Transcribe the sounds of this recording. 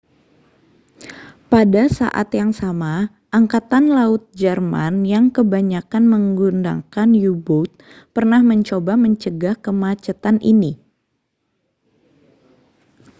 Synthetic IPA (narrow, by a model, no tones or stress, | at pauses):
padasa̰ʔa̰t̪jaŋsama | ʔaŋkat̪anlaʊt̪̚d͡ʒərma̰njaŋkəbaɲakanməŋɡunda̰kanjubʊt̪̚ | pərnahməɲt͡ʃobaməɲt͡ʃəɡahkəmat͡ʃət̪anʔini